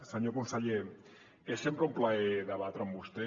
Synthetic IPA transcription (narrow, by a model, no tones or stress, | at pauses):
saɲokonsaʎe | esːempɾeumplaeðaβat̪ɾambust̪e